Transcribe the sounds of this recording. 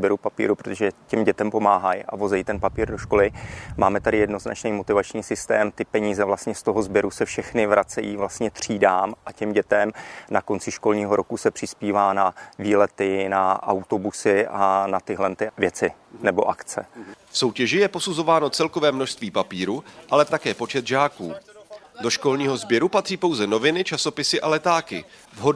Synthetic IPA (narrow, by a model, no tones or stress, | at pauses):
bɛɾupapḭːɾupɾot̪oʒɛcɛmɟɛt̪ɛmpo̞maːɦajʔa̰vo̞zɛjit̪ɛnpapiːɾdo̞ʃko̞lɪmaːmɛt̪adɪjɛdno̞zna̰t͡ʃnijmo̞t̪ɪvat͡ʃɲiːsɪst̪ɛ̰ːmt̪ɪpɛɲiːzɛvlast̪ɲɛst̪o̞ɦo̞zbjɛɾusɛfʃɛxnɪvɾʔat͡sɛjiːvlast̪ɲɛt̪r̝̥iːdaːmʔacɛmɟɛt̪ɛmnako̞nt͡sɪʃko̞lɲiːɦo̞ɾo̞kusɛpr̝̥ɪspiːvaːnaviːlɛt̪ɪnaʔa̰wt̪o̞busɪʔanat̪ɪɦlɛnt̪ɪvjɛt͡sɪ | nɛbo̞ʔakt͡sɛ̰fso̞wcɛʒɪjɛpo̞suzo̞vaːno̞t͡sɛlko̞vɛːmno̞ʃst̪viːpapiːɾuʔalɛt̪akɛːpo̞t͡ʃɛt̪ʒaːkuː | do̞ʃko̞lɲiːɦo̞zbjɛɾupat̪r̝̥iːpo̞wzɛno̞vɪnɪt͡ʃaso̞pɪsɪʔalɛt̪aːkɪ̰ | vɦo